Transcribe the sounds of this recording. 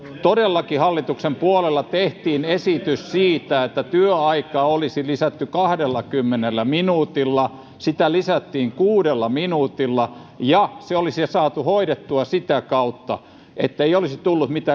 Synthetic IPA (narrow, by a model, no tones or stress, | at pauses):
t̪odelːɑkihɑlːit̪uksempuolelːɑt̪eht̪iːnesit̪yssiːt̪æet̪ːæt̪yøɑikɑːolisilisæt̪ːykɑhdelːɑkymːenelːæminuːt̪ilːɑ | sit̪ælisæt̪ːiːŋkuːdelːɑminuːt̪ilːɑjɑseolisɑsɑːt̪uhoiɾet̪ːuɑsit̪ækɑut̪ːɑ̰ | ʔet̪ːeiolisit̪ulːut̪mit̪æː